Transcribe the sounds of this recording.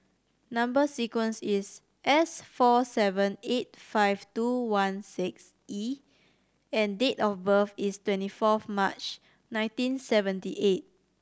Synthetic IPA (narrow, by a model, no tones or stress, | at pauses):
nãmbəsikwə̃nsis | ʔɛsfɔsɛvə̃net̚faɪvtuwãnsiks | ʔi | ɛ̃ndetɔfbəfistwɛ̃ntifɔfmat͡ʃ | nãɪ̃ntĩnsɛvə̃ntiʔet̚